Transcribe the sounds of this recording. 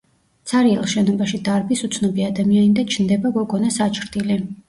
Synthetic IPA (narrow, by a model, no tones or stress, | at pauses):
t̪sʰaɾiɛlˠʃɛnɔbaʃid̪aɾbisut̪sʰnɔbiad̪amianid̪at͡ʃʰnd̪ɛbaɡɔɡɔnasat͡ʃʰɾd̪ili